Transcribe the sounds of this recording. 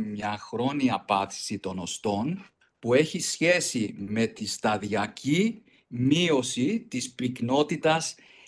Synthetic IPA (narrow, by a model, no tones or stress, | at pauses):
mɲɐxɾo̞niɐpɐt̪i̥sit̪o̞no̞st̪o̞n | pue̞çisçe̞sime̞t̪ist̪ɐðiɐcʰi | mio̞sit̪ispikno̞t̪it̪ɐs